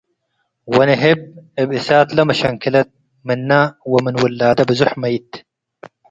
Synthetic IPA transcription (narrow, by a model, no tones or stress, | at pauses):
wɐneɦeb̚ebisaːt̪lɐmɐɕɐŋkilɐt̪̚ | minːawɐminwulːaːd̪ɐbɐzuħmɐit̪